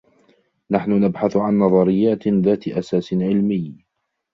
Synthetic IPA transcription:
naħnʊnabħaθʕanːɑðˤɑɾɪjːaːt̪ðaːt̪ʔasaːsɪʕɪlmɪj

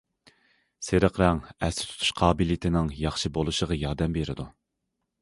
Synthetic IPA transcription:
seɾəqɾɛŋɛsɪ̥t̪ʰu̥t̪ʰu̥ʃqʰɑːbɨlit̪ʰɪnɪŋjɑχʃibolˠuʃəʁɑjɑɾd̪ɛmbeɾɪ̰d̪u

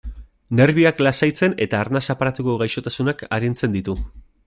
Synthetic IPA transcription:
ne̞ɾβiaklasajt͡se̞ne̞t̪aːɾnasapaɾat̪uko̞ɣajʃo̞t̪asunakaɾint͡se̞nd̪it̪u

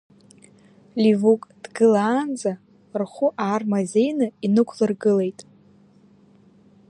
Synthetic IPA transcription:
livukʼd̥ɡɨlaːnd͡za | rχʷʊʔaːrmazʲe̞jnɨinɨkʷʰlɨrɡɨle̞jtʼ

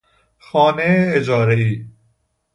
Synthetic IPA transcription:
xɔːneeːd͡ʒɔːɾeiː

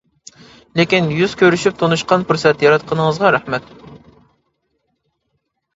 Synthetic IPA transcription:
lekʲinjyz̥kʲʰøɾyʃyp̚t̪ʰonuʃqɑnfuɾsɛt̪jɑɾɑt̪̚qʰənəŋəzʁɑɾæχmɛt̪

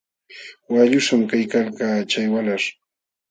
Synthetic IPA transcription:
waʎʊʃamkajkalkaːt͡ʃajwalaɾ

